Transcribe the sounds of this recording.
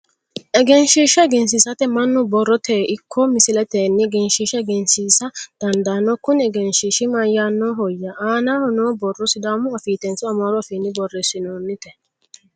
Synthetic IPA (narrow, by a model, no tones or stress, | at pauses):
ʔɛɡɛnʃiʃɛɡɛns̬ɪsɐt̪ɛmɐnːʊbɔrːɔt̪eːʔɪkʰːɔmɪsɪlɛt̪eːnːɪɡɛnʃiʃɛɡɛnsiːsɐd̪̥ɐnd̪aːnːɔkʊnɛɡɛnʃiːʃɪmɐjanːɔɦɔjːɐaːnahɔnoːbɔrːɔsɪd̪aːmʊɐfiːt̪ɛnt͡sːʊɐmɔɾɔɔfinːɪbɔrːɛsɪnoːnːɪt̪ɛ